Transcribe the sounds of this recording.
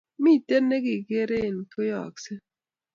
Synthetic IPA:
miːt̪ːenːeɡikeɾeːnkɯjɑ̰kse

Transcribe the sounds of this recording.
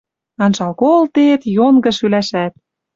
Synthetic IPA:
ɑnʃɑlkolt̪et̪joŋɡɤ̆ʃylæʃæt̪̚

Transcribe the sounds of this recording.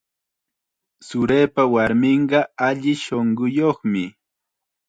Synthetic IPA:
sʊɾeːpawaɾmɪɴɢɑaʎɪʃoɴɢʊjoχmɪ

